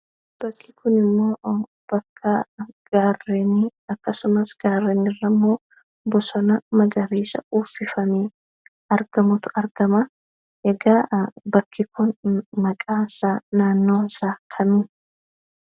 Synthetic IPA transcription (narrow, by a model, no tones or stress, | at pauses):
b̥ɐkʰːɪkʊnɪmːo̞ː | b̥ɐkʰːɐɡ̥aːrːeniɐkːɐsʊmɐsɡ̥aːrːeːnɪrːɐmːoː | bɔsɔnɐmɐɡɐɾiːsɐ̰uːfːɪfɐmeː | ɐɾɡ̥ɐmʊt̪ʊ̥ɐɾɡ̥ɐmɐ | ʔɛɡaːbɐkʰːɪkʊnmɐkʼaːɪsaːnaːnːo̞ːɪsaːkʰɐmɪ